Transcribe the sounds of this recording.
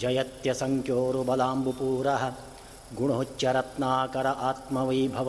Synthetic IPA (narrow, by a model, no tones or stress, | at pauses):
d͡ʒɐjɐt̪jɐsɐŋkjoːɾubɐlaːmbupuːɾɐɦɐ̆ | ɡuɳ̃ɦot͡ʃːjɐɾɐt̪naːkɐɾɐʔaːt̪mɐʋiːbʱɐʋ